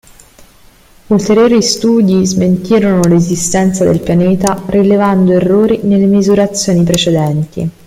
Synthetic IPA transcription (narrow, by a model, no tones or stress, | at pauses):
ult̪eɾjoːɾist̪uːd̪izment̪iːɾonolezist̪ɛnt̪sad̪elpjaneːt̪aɾilevand̪oerːoːɾinelːemizuɾat̪sːjoːnipɾet͡ʃed̪ɛnt̪ḭ